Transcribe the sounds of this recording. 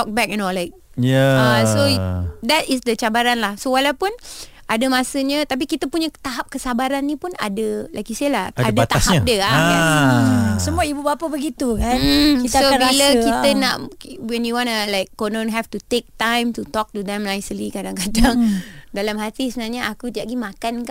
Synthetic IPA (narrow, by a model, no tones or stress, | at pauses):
t̪ɔk̚bɛk̚jinolajk̚ | jaasod̪ɛtɪsd̪ət͡ʃabaɾanlahsowalawpʊnʔadəmasəɲət̪ap̬ikit̪əpuɲət̪aɦap̚kəsabaɾanːipuna̰dəlaɡisaəlahaadaat̪ahaap̚dəaan | səmuaibubapəbəɡit̪ukaisaoabaləkit̪ənaʔwɛnjuwãnəlajk̚ːonõnɦɛftut̪ek̚tãjmtut̪ɔk̚tud̪ɛ̃mnajsəlikadaŋkadaŋdalamhat̪isəənaɲaakut̪aʔɡimakanka